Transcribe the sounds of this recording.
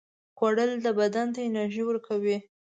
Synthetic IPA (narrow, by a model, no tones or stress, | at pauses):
xwaɽəld̪əbad̪ant̪aɪnaɾʒiwəɾkʰawi